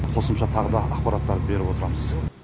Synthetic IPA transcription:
qʰo̞səmʃɑt̪ʰɑʁəd̪ɑɑqpɑɾat̪ːɑɾd̪be̞ɾɪbwo̞t̪əɾɑməz̥

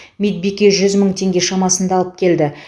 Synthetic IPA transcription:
mit̪̚bikʲeʒʏzməɴt̪ʰe̞ŋɡʲe̞ʃɑmɑsənd̪ɑlˠəp̚kʲʰe̞ld̪ɪ

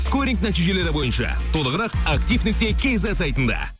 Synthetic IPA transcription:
skoɾiŋknæt̪iʒe̞le̞ɾɪbo̞jənʃɑ̰t̪ʰo̞lˠəʁəɾɑqakt̪ijfnɪk̚t̪e̞kʲʰe̞zɑsɑjt̪ənd̪ɑ̰

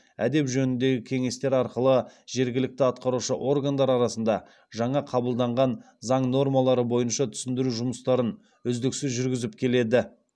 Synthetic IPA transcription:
æd̪e̞pʒɵnɪnd̪e̞ɡʲɪkʲʰe̞ŋe̞st̪e̞ɾɑɾqəlˠəʒe̞ɾɡʲɪlɪk̚t̪ɪɑt̪̚qɑɾuʃəʔo̞rɡand̪ɑɾɑɾɑsənd̪ɑ | ʒɑɴɑqʰɑbəlˠd̪ɑɴʁɑn | zɑɴno̞rmɑlˠɑɾəbo̞jənʃɑt̪ʰʏ̥sɪnd̪ɪɾuʒʊməst̪ɑɾən | ʏzd̪ɪksɪzʒʏɾɡʲɪzɪpkʲʰe̞le̞d̪ɪ

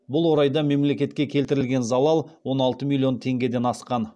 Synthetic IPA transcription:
bʊlˠwo̞ɾɑjd̪ɑme̞mle̞kʲe̞t̪kʲe̞kʲʰe̞lt̪ɪɾɪlɡʲe̞nzɑlˠɑlˠwo̞nɑlˠt̪əmilʲːio̞nt̪ʰe̞ŋɡʲe̞d̪e̞nɑsqɑn

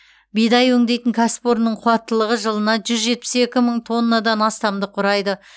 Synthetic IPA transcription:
bijd̪ɑjwɵŋd̪e̞jt̪ɪŋkʲʰæspoɾnəɴqʰʊwɑt̪ːəlˠəʁəʒəlˠənɑʒʏzʒe̞t̪̚pɪ̥se̞kʲɪməɴt̪ʰo̞nːad̪ɑnɑst̪ɑmd̪əqʰʊɾɑjd̪ə

